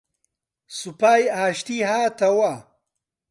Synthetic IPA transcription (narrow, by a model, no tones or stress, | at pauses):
supaːjaːɕt̪iɦaːt̪ɐwa